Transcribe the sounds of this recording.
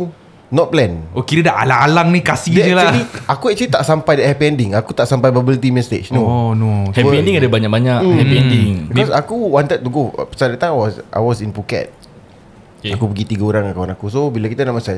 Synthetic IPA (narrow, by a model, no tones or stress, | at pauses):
nɔt̪̚plɛnʔokiɾadaʔa̰laŋalaŋnikasidɛd͡ʒəlaiakuɛk̚t͡ʃəlit̪aʔsampajdɛʔhɛpiɛndɪŋakut̪aʔsampajbabilit̪imɛst̪ḛt͡ʃnonohɛpiɛndiŋadabaɲak̚baɲakhɛpiɛndɪŋbikɔsakuwant̪ət̚t̪uɡo̰pə̥sadat̪ãjawɔsʔa̰jwɔsinpukɛ̰t̪̚ | akupəɡit̪iɡaoɾaŋakawanakusobilakit̪anaʔmasaj